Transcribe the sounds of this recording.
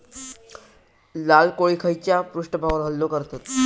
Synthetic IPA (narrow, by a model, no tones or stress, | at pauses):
lalkoɭikʰəjt͡ɕapɾuʂʈəbʱaɡɾɦəlːokəɾt̪at̪